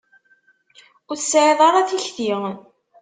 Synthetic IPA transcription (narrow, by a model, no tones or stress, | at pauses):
ʊɾsːʕeðˤɑɾˤɑθiçθi